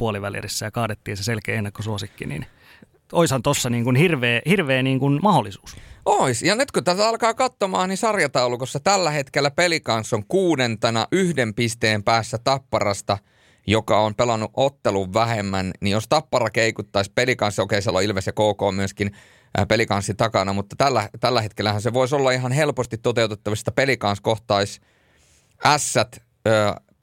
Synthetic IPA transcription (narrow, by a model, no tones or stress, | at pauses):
puoliʋæliḛrisːæjɑkɑːdet̪ːiːnseselkeːenːɑkːosuosikːinḭn | oishɑnt̪osːɑniːŋkunhirʋeːhirʋeːniːŋkunmɑholːˑisu̥ːsʔoisjɑnyt̪kut̪æt̪æɑlkɑːkɑt̪ːomɑːnnisɑrjɑt̪ɑulukosːɑt̪ælːæhet̪kelːæpelikɑnsːoŋkuːdent̪enɑʔyhdempist̪eːmpæːsːæt̪ɑpːɑrɑst̪ɑ | jokɑompelɑnːuʔot̪ːeluʋʋæhemːænnijost̪ɑpːɑrɑkeikut̪ːɑispelikɑnsːokeisielːo̰ilʋesjekoːkoːmyøskin | pelikɑnsːit̪ɑkɑnɑmut̪ːɑ̥t̪ælːæt̪ælːæhet̪kelːæhænseʋoisolːɑiɦɑnhelpost̪it̪t̪ːot̪eut̪et̪ːɑʋist̪ɑpelikɑnskoht̪ɑis | ʔæsːæt̪ | øː